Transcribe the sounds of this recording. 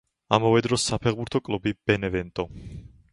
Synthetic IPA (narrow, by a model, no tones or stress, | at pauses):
amavɛd̪ɾɔsapʰɛʁbuɾt̪ʰɔkʼlˠubib̥ɛnɛvɛnt̪ʼɔ